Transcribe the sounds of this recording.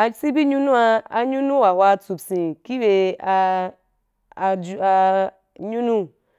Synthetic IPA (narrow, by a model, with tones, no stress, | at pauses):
a˧˦si˦bi˦ɲu˦nũ˦a˧a˧ɲu˦nũ˦wa˨hʷwa˧t͡su˨bsĩ˨ki˦be˧a˧ | d͡ʒa˧ | ɲu˦nũ˦